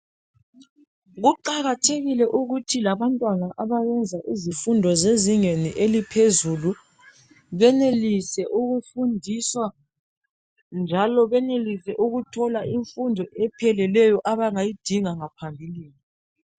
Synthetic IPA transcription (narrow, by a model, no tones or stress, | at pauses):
ɣuǃaɣatʰeɣilɛʔuɣutʰilaβantʼwanaʔaβaɣɛnd͡zʱaʔizifundʱɔzeziŋeniʔelipʰezulu | βɛnelisɛʔuɣufundʱiswa | nd͡ʒʱalɔβɛnelisɛʔuɣutʰɔlaʔiɱfundʱɔʔɛpʰɛlɛlɛjɔʔaβaŋajid̥ʱiŋaŋapʰambʱiliːni